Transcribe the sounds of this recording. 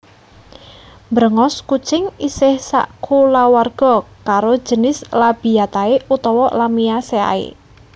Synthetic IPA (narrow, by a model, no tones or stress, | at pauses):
mbəɾəŋɔskut͡ʃɪŋisɪhsa̰ʔkʰulawarɡ̥ɔ̤kaɾo̥d͡ʒ̥ə̤nɪslab̥ijat̪aeut̪ɔwɔlamiasea̰ḛ